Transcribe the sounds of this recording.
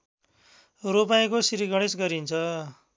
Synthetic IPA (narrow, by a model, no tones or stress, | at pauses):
ropaĩkosiɾiɡʌɽesɡʌɾint͡sʰʌ